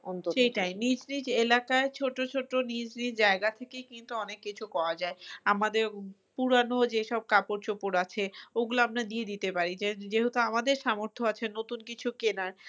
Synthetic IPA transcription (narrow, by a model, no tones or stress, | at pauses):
ɔnt̪ʃejʈajnid͡ʑnid͡ʑelakaet͡ɕʰoʈːot͡ɕʰoʈːonid͡ʑnid͡ʑaeɡat̪ʰekejkint̪uɔnekːit͡ɕʰukɔɾad͡ʑaeamad̪eɾ | puɾanod͡ʑeʃɔb̚kapoɾt͡ɕopoɾat͡ɕʰeoɡuloamɾad̪ied̪it̪epaɾid͡ʑed͡ʑeɦot̪oamad̪eɾʃamoɾt̪ʰoat͡ɕʰenot̪unkit͡ɕʰukenaɾ